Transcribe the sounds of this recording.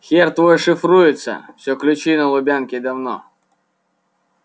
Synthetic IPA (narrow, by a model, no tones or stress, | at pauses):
xʲɛrt̪ʋɔjʂɪfɾujɪt̪sʲɐ̰sʲɔklʲʊt͡ʃinɐlˠʊbʲankʲɪd̪ɐwnɔ̰